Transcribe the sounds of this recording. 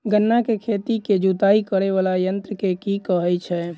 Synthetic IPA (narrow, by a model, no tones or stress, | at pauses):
ɡənːakekʰet̪iked͡ʒut̪aikəɾeʋalajənt̪ɾəkekikəɦɛjt͡ʃʰɛ